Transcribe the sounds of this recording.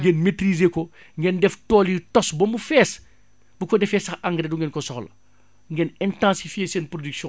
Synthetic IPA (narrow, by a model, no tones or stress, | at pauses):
ŋɡɛːnmetɾizeːkɔ | ŋɡɛndɛftɔːlitɔsbɐmbufɛːs | bukɔdɛfɛsɐxʔaŋɡɾɛduŋɡɛːnkɔsɔxlɐ̰ | ŋɡɛnɛntãːsifjeseːnpɾodyksjɔ̃